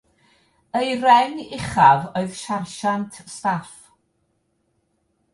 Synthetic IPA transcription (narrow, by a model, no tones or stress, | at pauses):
əjrɛnɪχavoɨðʃarʃantʰstaf